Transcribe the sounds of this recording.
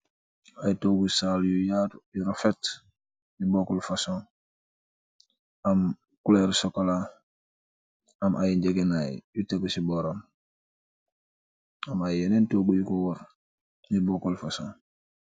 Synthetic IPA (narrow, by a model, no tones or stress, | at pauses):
ajitoːɡusaljujatjuɾofet | nibokolfasõ | am | kuleɾsokala | amʔajiɲɟeɡenaj̰juteɡusibɔɾon | amajenentoɡujukoɡɔɾ | nibokolfasõ